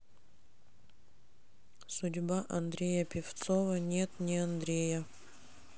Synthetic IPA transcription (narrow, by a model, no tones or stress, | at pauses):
sʊdʲbaʔɐnd̪ɾʲejəpʲɪft̪sovənʲet̪nʲɪɐnd̪ɾʲejə